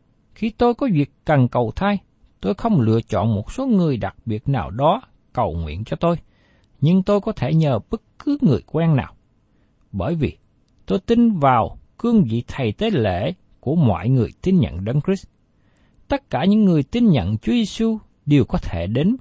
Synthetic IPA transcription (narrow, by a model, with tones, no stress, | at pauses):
xi˧t̪o˧jkɔ˨˦vi˨˩əkːə˨˩nkə˨˩wt̪ʰaː˧j | t̪o˧jxə˧wŋ͡mlɨ̰˧ət͡ɕɔ̰˧˨nmo˨˩t̚so˨˦ŋɨ˨˩əjɗa˨˩k̚ɓi˨˩ət̚naː˨˩wɗɔ˨˦ | kə˨˩wŋwḭ˧˨ənt͡ɕɔ˧t̪o˧j | ɲɨ˧ŋt̪o˧jkɔ˨˦t̪ʰe˧˩ɲəː˨˩ɓɨ˦˥t̚kɨ˨˦ŋɨ˨˩əjkwɛ˧nna̰ː˨˩w | ɓəː˧˩jvi˨˩ | t̪o˧jt̪i˧nvaː˨˩wkɨ˧əŋvḭ˧˨t̪ʰə˨˩jt̪e˨˦lḛ˧˩˨ | ku˧˩əmwɔ̰˧˨jŋɨ˨˩əjt̪i˧nɲə̰˧˨nɗə˧ŋkɹi˦˥s | t̪ə˦˥t̚kaː˧˩ɲɨ̰˧˥ŋːɨ˨˩əjt̪i˧nɲə̰˧˨nt͡ɕu˨˦əze˧su˧ | ɗi˨˩wkɔ˨˦t̪ʰe˧˩ɗe˨˦n